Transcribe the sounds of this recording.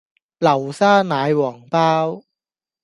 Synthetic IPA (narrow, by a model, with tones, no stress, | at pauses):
lɐ˨˩wsaː˥naː˨˧jwɔː˨˩ŋpaː˥w